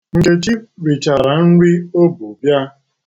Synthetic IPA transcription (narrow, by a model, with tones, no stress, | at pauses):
ŋ̩˨ke˨t͡ʃi˦ɾi˨t͡ʃa˨ɾa˨n̩˦ɾi˦o˦bu˨bja˦